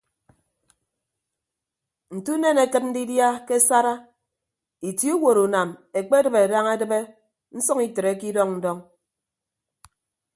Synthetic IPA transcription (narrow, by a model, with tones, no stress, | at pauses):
n̩˨tu˦ne˦ne˨kɨ˦t̚n̩˦di˦dja˦ke˦sa˦ɾa˦ | i˨ti˦u˦wo˨ɾu˨na˨me˨k͡pe˦dɨ˨be˨da˦ŋa˦dɨ˦be˦ | n̩˦sɔ˦ŋi˨tɾe˨˦ki˦dɔ˦ŋn̩˦dɔ˦ŋ